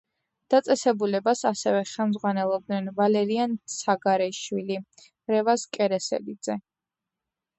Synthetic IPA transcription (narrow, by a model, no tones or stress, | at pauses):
d̪̥at̪sʼɛsɛbulɛbasasɛvɛχɛmzʁwanɛlˠɔb̚d̪nɛnvalɛɾiansaɡaɾɛʃwili | ɾɛvaskʼɛɾɛsɛ̰lid̪z̥ɛ